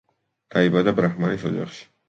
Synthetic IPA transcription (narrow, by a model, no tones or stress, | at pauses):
d̪̥aibad̪abɾaχmanisɔd͡ʒa̰χʃi̥